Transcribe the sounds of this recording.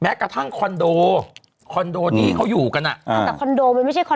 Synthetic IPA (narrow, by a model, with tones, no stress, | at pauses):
mɛː˦˥kɾa˧t̪ʰa˥˩ŋkʰɔ˧ndoː˧ | kʰɔ˧ndoː˧niː˦˥kʰa˦˥wjuː˨˩ka˧nʔa˨˩˨ɛː˨˩kʰɔ˧ndoː˧ma˧nma˥˩jt͡ɕʰa˥˩jkʰɔ˧